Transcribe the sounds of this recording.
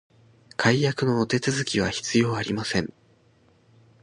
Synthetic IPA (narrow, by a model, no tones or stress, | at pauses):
kʰaijakɯ̟no̞ːt̪e̞t͡sɨzɨkʲiβ̞açi̥t͡sɨjo̞ːaɾʲimasẽ̞ŋ